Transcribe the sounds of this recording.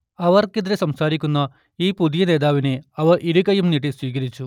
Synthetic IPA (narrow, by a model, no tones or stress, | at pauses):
ɐʋɐrked̪ɐɾesɐmsaːɾikʲːunːɐ | iːpud̪ijɐneːd̪aːʋine̞ɐʋɐʔiɽukɐjumniʈ̬ːisʋiːk̬ɐɾit͡ɕːu